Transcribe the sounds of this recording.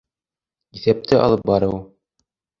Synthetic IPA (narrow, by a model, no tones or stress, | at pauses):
iθæp̚t̪ɘɑ̰lˠɤp̚bɑɾɤw